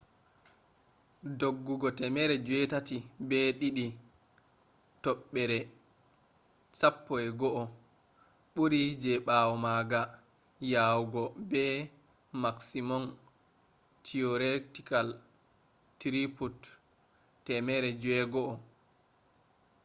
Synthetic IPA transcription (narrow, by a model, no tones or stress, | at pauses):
doɡːuɡɔtɛmɛɾɛd͡ʒwɛtatibɛɗiɗi | tɔɓːɛɾɛ | sapːɔɛɡɔʔɔ | ɓuɾid͡ʒɛɓawɔmaɡa | jawɡɔbɛ | maksimɔn | tʰiɔɾetikal | tɾiput | tːɛmɛɾɛd͡ʒwɛɡɔʔɔ